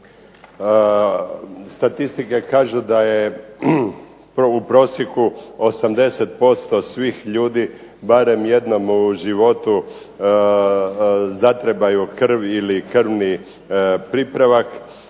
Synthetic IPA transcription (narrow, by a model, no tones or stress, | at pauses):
st̪at̪ist̪ike̞kaːʒud̪aje̞ | upɾo̞ːsjekuosamd̪e̞se̞t̪̚po̞st̪o̞sʋiːxʎuːd̪i | baɾe̞mje̞d̪no̞muʒiʋo̞t̪u | zat̪ɾebajukr̩ʋilikr̩ʋni | pɾipɾaʋak